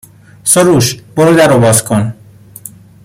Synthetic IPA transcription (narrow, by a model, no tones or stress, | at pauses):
soɾuːʃboɾod̪æɾobɒːzkʰon